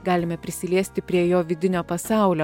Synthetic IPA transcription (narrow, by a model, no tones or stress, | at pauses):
ɡɑːlʲɪmʲɛpʲɾʲɪsʲɪlʲiɛsʲt̪ʲɪpʲɾʲiɛjoːʋʲɪd̪ʲɪnʲoːpɐsɑˑʊlʲoː